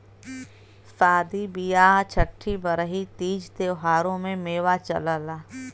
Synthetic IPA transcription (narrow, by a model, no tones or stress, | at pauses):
saːd̪ibijaːt͡ʃʰəʈʰːibəɾəɦit̪iːd͡ʒt̪eːɦaːɾõmẽmeːwat͡ʃə̰ləlaː